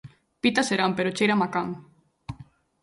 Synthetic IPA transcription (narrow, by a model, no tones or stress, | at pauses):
pit̪aseɾampeɾot͡ʃejɾamakaŋ